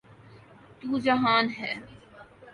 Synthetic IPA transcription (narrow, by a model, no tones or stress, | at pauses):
t̪uːd͡ʒɐɦaːnɦɛː